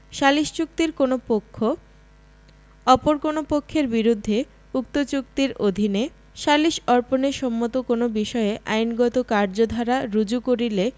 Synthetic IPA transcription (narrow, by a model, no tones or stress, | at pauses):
ʃaliʃt͡ɕuk̚t̪iɾkonopokʰːo | ɔpoɾkonopokʰːeɾbiɾud̪ʱːe | uk̚t̪ot͡ɕuk̚t̪iɾod̪ʱine | ʃaliʃɔɾponeʃɔmːot̪okonobiʃɔeʔajnɡɔt̪okaɾd͡ʑod̪ʱaɾaɾud͡ʑukoɾile